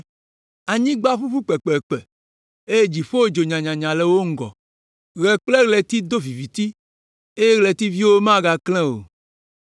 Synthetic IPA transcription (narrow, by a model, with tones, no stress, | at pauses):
a˨ɲĩ˦ɡ͡ba˦ɸu˦fu˦k͡pɛ˨k͡pɛ˨k͡pɛ˨ | e˦je˦d͡ʒi˨ɸo˦wo˦d͡ʒo˨ɲã˨ɲã˨ɲã˨lɛ˨wo˦ŋ̩˦ɡɔ̰˨ | ɣɛ˨k͡plɛ˦ɣlɛ˨t̪i˦d̪o˦vi˨vi˨t̪i˦ | e˦jɛ˦ɣlɛ˨t̪i˦vi˦wo˦mã˦ɡa˨klɛ̃˦wo̰˨